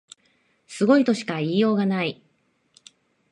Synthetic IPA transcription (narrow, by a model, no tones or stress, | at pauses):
sɨɡo̞it̪o̞ɕi̥kaiːjo̞ːɡanai